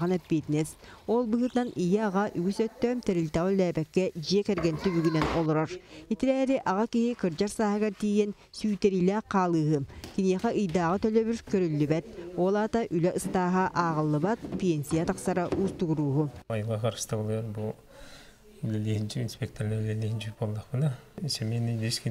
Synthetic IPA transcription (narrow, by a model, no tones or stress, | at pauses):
ɑnap̪̚pʲit̪nɛsolˠbɯɦɯt̪ɯnanijɛaʁaʔyɡysœt̪ːœmt̪ɛɾilʲt̪aʁɔlːɛːbɛkːɛd͡ʒiɛkɛɾɡɛnt̪ybyɡynɛnɔlˠɔɾɔɾit̪iɾɛːɾiʔɑʁakiɦikɯɾd͡ʒaɾsaːɦɯɡaɾt̪iːjɛn | syːt̪ɛɾilʲɛːqʰɑːlˠɯːɦɯkiniɛqɛʔɯjd̪aːʁɯt̪œlœβyɾkœɾylːybɛt̪̚oːlˠaːt̪aʔylɛʔɯst̪aːɦaʔaːʁɯlˠːɯβat̪̚pʲɛnʲsʲijat̪aqsaɾaʔuːst̪uɣuɾuːɦuajɯlˠʁɑqʰɑɾʃt̪ablˠɔɾbulˠ | ylɛlihint͡ʃiinspʲek̚t̪oɾnɛlʲɛliɦint͡ʃybolˠːaqpɯnaisemenid̪ʃki